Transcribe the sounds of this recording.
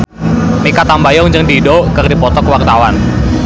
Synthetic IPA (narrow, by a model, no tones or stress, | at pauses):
mikat̪ambajɔŋd͡ʒɨŋdidokərdipɔt̪ɔkwart̪awan